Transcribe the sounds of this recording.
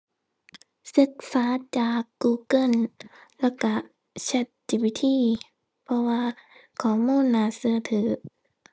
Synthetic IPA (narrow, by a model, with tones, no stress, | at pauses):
sɯ˧˦k̚saː˨˦t͡ɕaː˨˩kːuː˧kɤ˧˥˨nlɛ˧˩ka˧˩ | t͡ɕʰa˧˩t̪̚t͡ɕi˨˧˩bi˧˦t̪ʰiː˧˥˨ | pʰɔ˧waː˧kʰɔː˨˧˩muː˧˥˨nːaː˧˨sɯ˧ɐ˨t̪ʰɯː˨˦